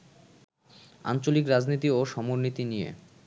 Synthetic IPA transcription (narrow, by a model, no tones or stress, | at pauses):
a̰nt͡ɕolikɾad͡ʑnit̪ioʃɔmoɾnit̪inijḛ